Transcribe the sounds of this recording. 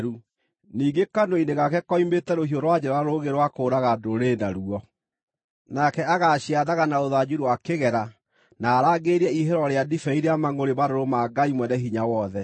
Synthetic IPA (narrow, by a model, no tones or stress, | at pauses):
ɾu | niːɡekandoineɣakɛkɔimetɛɾohioɾwad͡ʑɛɾaɾoɣeɾwakoːɾaɣadoɾenaɾuɔ | nakɛaɣaɕiaðaɣanaoðad͡ʑuɾuwakeɣɛɾa | naːɾaɡeɾɛiɦɛɾɔɾeadifɛiɾeamaŋoɾebaɾoɾomaɡaimwɛnɛɦiɲawɔðɛ